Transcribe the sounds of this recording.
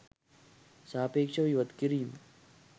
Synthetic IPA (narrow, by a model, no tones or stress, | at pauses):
saːpeːkʂɐʋiʋɐt̪kiɾiːm